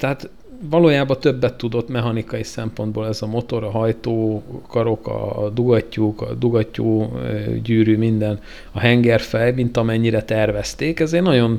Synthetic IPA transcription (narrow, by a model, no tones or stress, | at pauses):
t̪ɛɦaːt̪ | vɒloːjaːbɒt̪ø̞bːɛt̪ːud̪o̞t̪mɛɦɒnikɒjisɛmpo̞nd̪̚boːlɛzɒmo̞t̪o̞ɾɒɦɒjt̪oːkɒɾo̞kɒ̰d̪uɡɒcːukɒ̰d̪uɡɒcːo̰ːɟyːɾyːmind̪ɛn | ɒɦɛŋɡɛrfɛjmint̪ɒmɛɲːiɾɛt̪ɛrvɛst̪eːkɛzeːrnɒɟo̞n